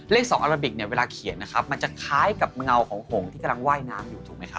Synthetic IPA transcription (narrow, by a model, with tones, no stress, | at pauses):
le˥˩k̚sɔː˨˦ŋʔaː˧ɾa˧mbi˨˩k̚ni˥˩ɐweː˧laː˧kʰi˨˩˦ən̚nːa˦˥kʰa˦˥p̚ma˧nt͡ɕa˨˩kʰaː˦˥jka˨˩p̚ŋa˧wkʰɔː˩˦ŋho˨˩˦ŋt̪ʰiː˥˩ka˧mla˧ŋwaː˥˩jnaː˦˥mjuː˨˩t̪ʰu˨˩k̚ma˦jkʰa˦˥